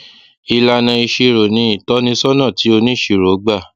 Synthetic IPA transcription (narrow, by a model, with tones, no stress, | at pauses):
i˧la˧nã˧i˧ʃi˧ɾo˨nĩ˧˦i˨tɔ˦nĩ˧˦sɔ˦nã˦˨ti˨˦o˧nĩ˦ʃi˨ɾo˨˦ɡ͡ba˦˨